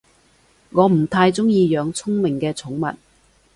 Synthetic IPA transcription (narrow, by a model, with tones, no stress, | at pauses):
ŋɔː˨˧m̩˨˩t̪ʰaː˧jt͡sʊ˥ŋjiː˧jœː˨˧ŋt͡sʰʊ˥ŋmɪ˨˩ŋkɛː˧t͡sʰʊ˨˥ŋmɐ̰˨t̚